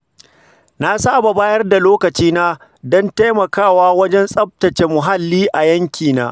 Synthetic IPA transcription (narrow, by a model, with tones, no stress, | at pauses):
na˦saː˦˨ba˨baː˦jɐ˦rda˨loː˦kɐ˨t͡ʃiː˦naː˦ | dɔ˦nta˦jmɐ˨kaː˦˨waː˦wɐ˦d͡ʒɛ˦nsʼɐ˦p̚tɐ˨t͡ʃe˨mʊ˨ɦa˦lːiː˦ʔa˨jɐ˦ŋkʲʰiː˨na̰ː˦ʔ